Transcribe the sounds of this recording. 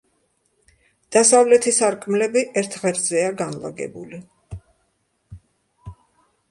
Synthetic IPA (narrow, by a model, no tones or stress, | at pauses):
d̪̥asavlɛt̪ʰisaɾkʼmlɛbiʔɛɾt̪ʰʁɛɾzɛaɡanla̰ɡɛ̰buli